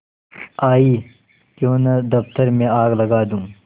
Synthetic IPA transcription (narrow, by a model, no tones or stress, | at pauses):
aːiː | jõːnɐd̪ɐft̪əɾmẽaːɡlɐɡaːd̪ũː